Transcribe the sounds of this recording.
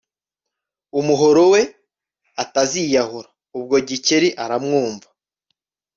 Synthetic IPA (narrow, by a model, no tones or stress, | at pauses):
umuɦoɾo̞we̞ | atazijaɦuɾa | ub̚ɡo̞ɟiceɾiʔaɾamŋuːmva